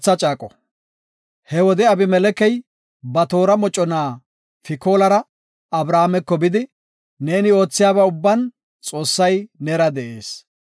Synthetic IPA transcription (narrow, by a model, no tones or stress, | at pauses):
t͡sːɐt͡ʃʼaːkʼɔ | hɛwɔd̪ɛɐbɪmɛlɛkɛj | bɐt̪o̞ːɾɐmɔt͡ʃʼːɔnaː | fɪko̞ːlɐɾɐ | ɐbɾaːmɛkːɔbɪd̪ɪ | ne̞ːnɪo̞ːt͡sːɪjaːbɐʊbːɐn | t͡sʼo̞ːsːɐjnɛɾɐd̪ɛʔeːs